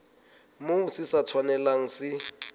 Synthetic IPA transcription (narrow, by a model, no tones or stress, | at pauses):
moːsʰisat͡sʰwanɛlaŋ̩sɪ